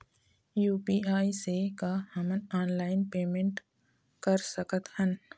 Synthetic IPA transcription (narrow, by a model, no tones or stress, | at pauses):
juːpiːaːisekahəmənaːnlaːɪnpeːmẽɳʈ | kəɾsəkət̪hən